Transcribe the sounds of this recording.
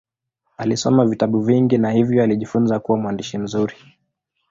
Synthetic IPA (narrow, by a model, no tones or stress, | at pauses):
alisɔmavitaɓuviŋɡinahivjɔaliʄifunzakuwamuandiʃim̩zuɾi